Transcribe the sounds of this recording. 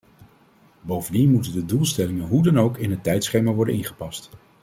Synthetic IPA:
bowvəndinmutəndədulˠstɛlɪŋənɦudɑnowkɪnɦətɛjtsχejmaːɹʋɔɹdə̰ʔɪnχə̥pɑst

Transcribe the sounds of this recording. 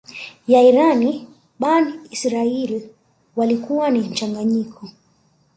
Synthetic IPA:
jaiɾani | ɓaniisɾail | walikuwanim̩t͡ʃaŋɡaɲikʰɔ

